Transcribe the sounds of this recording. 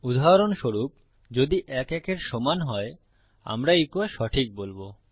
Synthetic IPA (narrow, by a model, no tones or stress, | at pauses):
ud̪ʱaɦɾonʃoɾup̚ | d͡ʑod̪iʔɛkɛkeɾʃɔmanɦɔe | a̰mɾaekoaʃɔʈʰik̚bolbo